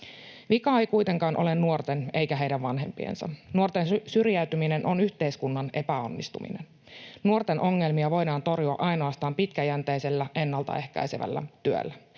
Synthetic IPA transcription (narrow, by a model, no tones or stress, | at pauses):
ʋikɑejkujt̪e̞ŋkɑːnʔo̞le̞nːuo̞rt̪e̞nejkæɦe̞jdæʋʋɑnɦe̞mpiḛnsɑ̰nuo̞rt̪ensyrjæyt̪ymine̞nʔonyçt̪e̞jskunːɑnʔe̞pæo̞nːist̪umḭne̞̰n | nuo̞rt̪e̞nʔo̞ŋːe̞lmiɑʋo̞jdɑːnt̪o̞rjuɑ̰ʔɑjno̞ɑst̪ɑːmpit̪kæjænt̪ejse̞lːæʔe̞nːɑlt̪ɑ̰e̞hkæ̰jseʋæ̰lːæ̰t̪yø̰lːæ